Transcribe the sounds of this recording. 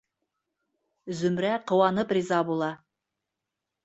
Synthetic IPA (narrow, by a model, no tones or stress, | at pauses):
zɵmɾæqŏwɑnɤprʲizɑbulˠɑ